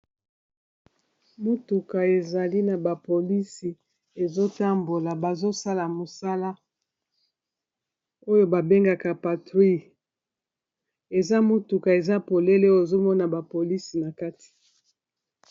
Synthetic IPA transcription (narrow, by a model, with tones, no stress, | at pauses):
mo˦tu˨ka˨e˨za˨li˦na˨ba˨po˨li˦si˨ | e˨zo˦ta˦mbo˨la˨ba˨zo˦sa˦la˨mo˨sa˦la˦ | o˦jo˦ba˨be˦ŋɡa˨ka˨pa˨tʁi˦ | e˨za˦mo˦tu˨ka˨e˨za˦po˨le˦le˦o˦e˨zo˦mɔ˦na˨ba˨po˨li˦si˨na˨ka˦ti̥˨